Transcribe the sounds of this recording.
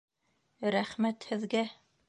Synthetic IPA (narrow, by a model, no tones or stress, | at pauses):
ɾæχmæt̪hɘ̆ðɡæ